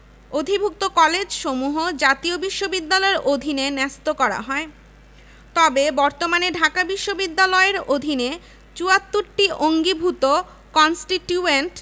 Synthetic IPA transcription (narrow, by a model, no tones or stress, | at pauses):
od̪ʱibʱuk̚t̪okɔled͡ʑʃomuɦod͡ʑat̪iobiʃːobid̪ːalɔeɾʔod̪ʱinenɛst̪okɔɾa̰ɦɔe | t̪ɔbebɔɾt̪omaneɖʱakabiʃːobid̪ːalɔeɾod̪ʱine | t͡ɕuat̪ːuɾʈiʔoŋɡibʱut̪o | kɔnsʈiʈjueɳʈ